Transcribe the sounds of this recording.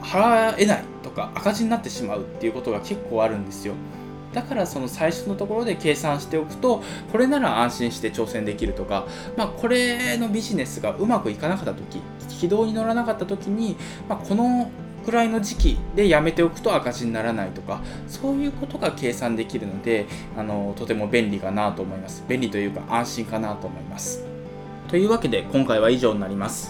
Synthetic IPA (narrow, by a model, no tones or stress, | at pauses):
haɾae̞nait̪o̞kaʔakaʑiɲinat̪ːe̞ɕimaɯ̟t̪ːe̞iɯ̟ko̞t̪o̞ɡake̞kːo̞ːaɾɯ̟̃nd̪e̞sɨjo̞ | d̪̥akaɾaso̞no̞saiɕo̞nːo̞t̪o̞ko̞ɾo̞d̪e̞ke̞ːsãɰ̃ɕi̥t̪e̞o̞kɯ̟̥t̪o̞ | ko̞ɾe̞naɾaãɰ̃ɕĩɕi̥t̪e̞t͡ɕo̞ːsẽ̞nd̪e̞kʲiɾɯ̟t̪o̞ka | makʰo̞ɾe̞no̞bʲiʑine̞sɨɡaʔɯ̟makɯ̟ikanakat̪ːat̪o̞kʲi̥ | kʲid̪o̞ːɲ̟ino̞ɾanakat̪ːat̪o̞kʲiɲ̟i | makʰo̞no̞ | kɯ̟ɾaino̞ʑikʲid̪e̞jame̞t̪e̞o̞kɯ̟̥t̪o̞akaʑiɲ̟inaɾanait̪o̞ka | so̞ːjɯ̟ːko̞t̪o̞ɡake̞ːsãnd̪e̞kʲiɾɯ̟no̞d̪e̞ | ano̞t̪o̞t̪e̞mo̞bẽ̞nɾʲikanat̪o̞ːmo̞imasɨ̥bẽ̞nʲɾʲit̪o̞jɯ̟ːka̰ʔãɰ̃ɕĩŋkanat̪o̞ːmo̞imasɨ̥ | t̪o̞jɯ̟ːβake̞d̪e̞kõ̞ŋkaiβaiʑo̞ːnnaɾʲimasɨ̥